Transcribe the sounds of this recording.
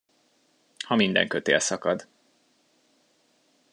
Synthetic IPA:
hɒmind̪ɛ̰ŋkøt̪ḛːlsɒkɒd̪

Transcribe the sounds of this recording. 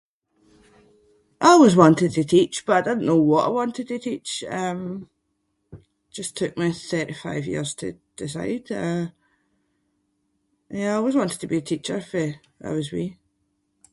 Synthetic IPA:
ʔaɪwɔzwɔ̃ntɪd̚tʰətʰit͡ʃb̥ʌʔaɪdɪdⁿn̩nowɔʔa̰ɪwɔ̃ntɪd̚tʰətʰit͡ʃʌ̃m | ʒ̥ʌstʰʉk̚miθɜ˞ʔifa̰ɪvjḭɹz̥tʰə̰d̥ɪs̬a̰ɪd̥ʌ | ʔə̃njæaɪwɒzwɔ̃ntɪd̚tʰəbiətʰit͡ʃə˞fə | a̰ɪwəzwi

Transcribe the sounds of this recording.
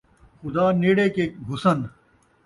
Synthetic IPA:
xʊd̪aːneːɽeːkeːkɡʱʊsən

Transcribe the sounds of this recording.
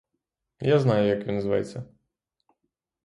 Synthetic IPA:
jaznajʊjɐkvʲɔnzva̰jɛ̰t̪sʲːɐ

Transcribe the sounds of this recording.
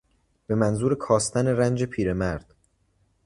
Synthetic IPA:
b̥e̞mænzuːɾekʰɒːst̪ʰæne̞ɾænd͡ʒepʰiːɾe̞mæɾd̪̥

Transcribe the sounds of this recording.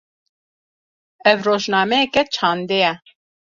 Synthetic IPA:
ɛvroːʒnɑːmɛjɛkɛt͡ʃʰɑːnd̪ejɛ

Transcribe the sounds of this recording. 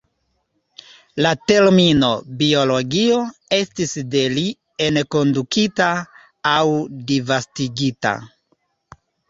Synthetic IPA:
late̞ɾmino̞bio̞lo̞ɡio̞e̞stisde̞li | enko̞ndukitaː | wdivastiɡita̰

